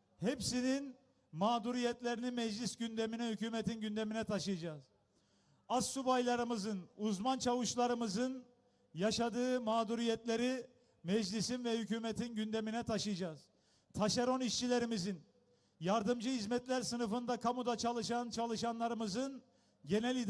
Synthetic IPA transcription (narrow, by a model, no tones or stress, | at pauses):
hepsinin | maːd̪uɾijɛt̪lʲe̞ɾinimɛd͡ʒlʲisɟynd̪eminɛhycyːmɛt̪ʰinɟynd̪eminɛt̪ʰaʃɯjad͡ʒaːz̥ | assːubajlˠaɾɯmɯzɯnuzmant͡ʃʰavɯʃlˠaɾɯmɯzɯn | jaʃad̪ɯːmaːd̪uɾijɛt̪lʲeɾi | mɛd͡ʒlʲisinvɛhycuːmɛt̪ʰinɟynd̪eminɛt̪ʰaʃɯjad͡ʒaːz̥ | t̪ʰaʃaɾo̞niʃt͡ʃʰilʲe̞ɾimizin | jaɾd̪ɯmd͡ʒɯɦizmɛt̪lʲæɾsɯnɯfɯnd̪akʰamud̪at͡ʃʰalˠɯʃant͡ʃʰalˠɯʃanlˠaɾɯmɯzɯn | ɟe̞nɛlʲid̪